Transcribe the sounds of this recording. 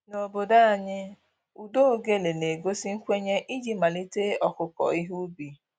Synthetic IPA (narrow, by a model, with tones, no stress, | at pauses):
no˨bo˨da˦a˨ɲɪ˦ | u˨do˦˨ɡe˦le˨ne˨ɡo˦si˦ŋ̩˦kʷe˦ɲe˦ʔi˦d͡ʒi˨ma˨li˦te˦ɔ˦kʊ˨kɔ̰˨i˦ɦu˦bi˨